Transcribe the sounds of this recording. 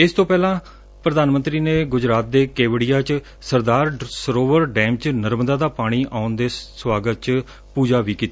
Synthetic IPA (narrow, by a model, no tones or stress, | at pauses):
ɪst̪õːpɛːlãː | pɾəd̪aːnmə̃nt̪ɾiːneːɡʊd͡ʒɾaːt̪̚d̪eːkeːʋɽijaːt͡ʃ | səɾd̪aːɾsəɾoːʋəɾɖɛːmt͡ʃnəɾmd̪aːd̪aːpaːɽ̃iːʔaːʊnd̪eːswaːɡət̪̚t͡ʃ | puːd͡ʒaːʋiːkiːt̪a